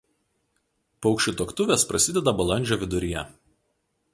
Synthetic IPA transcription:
pɔʊkʃʲʊt̪oːkt̪ʊʋʲeːspɾɐsʲɪd̪ʲɛd̪ɐbɐlˠɐnʲd͡ʒʲoːʋʲɪd̪ʊɾʲɪjɛ̰

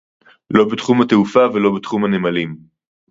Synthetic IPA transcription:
lo̞betχumate̞ufavelo̞bet̪χumhanemalim

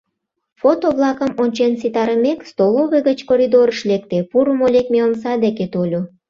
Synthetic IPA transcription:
fot̪oβlɑkəmonʲt͡ɕensit̪ɑɾəmekst̪oloβeɣət͡ɕkoɾʲid̪oɾəʃlek̚t̪epuɾəmolʲekmeonsɑd̪eket̪olʲu

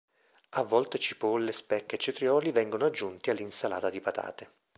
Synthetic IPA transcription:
avːɔlt̪et͡ʃipolːespɛkːet͡ʃːet̪ɾjɔːlivɛŋɡonoad͡ʒːunt̪ialːinsala̰ːt̪ad̪ipat̪a̰ːt̪e

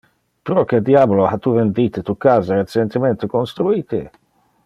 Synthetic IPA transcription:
pɾɔk̟ed̪jabolohat̪uvend̪it̪et̪ukaːzaɾet͡ʃent̪ement̪ekonst̪ɾuiːt̪ḛ

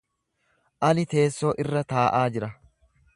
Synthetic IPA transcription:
ʔɐnɪt̪e̞ːsːoːʔɪrːɐt̪aːʔaːd͡ʒɪɾɐ

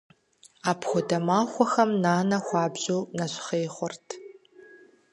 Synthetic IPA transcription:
aːpʰxʷɔdɐmaːxʷɔxɐmnaːnɐxʷɑːbʑuːnɐɕχeːχʷʊrtʰ

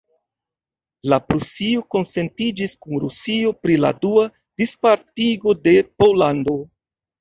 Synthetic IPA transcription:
lapɾusio̞ko̞nse̞ntid͡ʒiskunɾusio̞pɾila̰dua | d̥ispaɾtiɡo̞de̞po̞lando̞

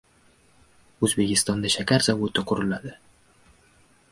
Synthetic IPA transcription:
ɵzbe̞kʲɪst̪ɒnd̪aʃakʲʰaɾzavot̪ɪqʰʊɾɪlad̪ɪ

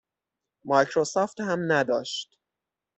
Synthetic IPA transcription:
mɒjkʰɾosɒːft̪hæmnæd̪ɒ̰ːʃt̪

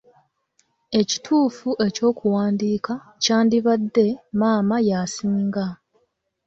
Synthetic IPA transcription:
e̞ci̥tʰuːfuʔe̞co̞ːkuwaːndiːka | caːndiβadːe̞maːmajasiːŋɡa

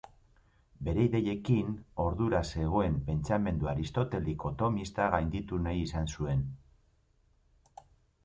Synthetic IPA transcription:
be̞ɾeiðe̞je̞kino̞ɾðuɾase̞ɣ̞o̞e̞mpe̞nt͡same̞nd̪uaɾist̪o̞t̪e̞liko̞t̪o̞mist̪aɣajnd̪it̪unajisansue̞n

